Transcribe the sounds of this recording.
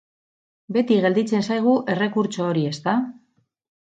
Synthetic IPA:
be̞t̪iɣe̞ld̪it͡se̞nsajɣ̞uʔe̞re̞kuɾt͡so̞ːɾie̞st̪a

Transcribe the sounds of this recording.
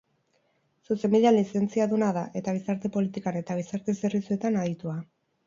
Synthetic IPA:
suse̞mbiðialise̞nt͡siaðunaðaʔe̞t̪aɣ̞isaɾt̪e̞po̞lit̪ikane̞t̪aɣ̞isaɾt̪e̞serβisue̞t̪anaðit̪ua

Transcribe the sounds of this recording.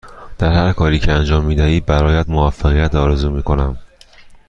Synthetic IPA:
d̪̥æɾhæɾkʰɒːɾiːcʰeænd͡ʒɒːmːiːd̪æhiːd̪̚bæɾɒːjæd̪movæfːæɣijæt̪ɒːɾezuːmiːkʰo̞næm

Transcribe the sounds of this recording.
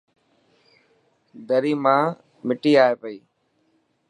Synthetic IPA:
d̪əɾiːmãː | mɪʈiːaːɦeːpəiː

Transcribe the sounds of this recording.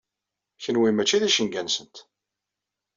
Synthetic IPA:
çənwimæt͡ʃːiðæʃəŋɡænsənt̪

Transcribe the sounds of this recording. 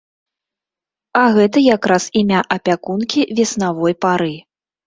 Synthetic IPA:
ɐɣɛt̪ɐjakɾasimʲaʔɐpʲakunkʲivʲɛsnavɔjpaɾɨ

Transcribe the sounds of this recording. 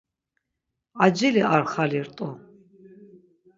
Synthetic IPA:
ad͡ʒiliaɾχaliɾt̪ʼɔ

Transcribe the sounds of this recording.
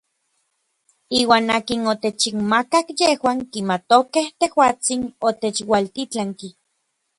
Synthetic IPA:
iːwaːnaːkinot̪et͡ʃikmakakjehwaːŋkimat̪okeht̪ehwaːt͡sinot̪et͡ʃwalt̪it͡ɬaŋki

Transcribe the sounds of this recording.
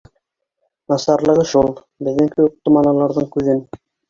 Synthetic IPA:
nɑsɑɾlˠɤ̆ʁɤʃulˠ | bɘ̆ðɘŋkɘut̪ːomɑnɑlˠɑɾðɤɴkʉðɘn

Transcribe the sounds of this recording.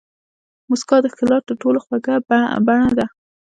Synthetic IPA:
mʊskɑd̪əxɪlɑt̪̚d̪əʈoloxwaɡabaɳad̪a

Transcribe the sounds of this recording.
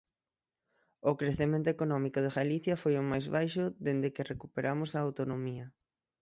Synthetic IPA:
ʊkɾeθemẽnt̪oekonɔmikʊð̞eɣaliθjɐfojʊmajzβajʃʊðend̪ekerekupeɾʔamʊsɐːwt̪onomiɐ

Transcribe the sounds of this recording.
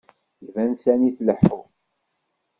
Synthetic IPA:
jvænsæniθləħu

